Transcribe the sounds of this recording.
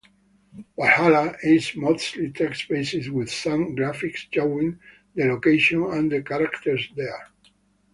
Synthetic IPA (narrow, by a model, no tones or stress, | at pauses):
wahalaizmoslit̪ʰɛkspesiswɪð̥sãmɡɹafikst͡ʃowĩŋ | d̪əlokeʃɔ̃nãnd̪əkaɾakt̪əɹsd̪ɛɹ